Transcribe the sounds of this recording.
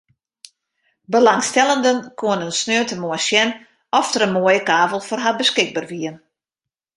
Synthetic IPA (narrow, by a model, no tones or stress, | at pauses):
bəlaŋstɛlˠəndənkʰoənənsnøətəmɔəsjɛn | ɔftərənmoəjəkaːvəlˠfɔrɦabəskɪɡ̚baːrʋiən